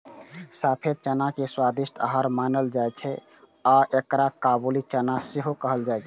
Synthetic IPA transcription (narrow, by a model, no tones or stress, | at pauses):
sapʰed̪̚t͡ʃənakeswad̪isʈʰəɦəɾmanəld͡ʒajt͡ʃʰɛ | aʔekɾakabulit͡ʃənaseɦokəɦəld͡ʒajt͡ʃʰɛ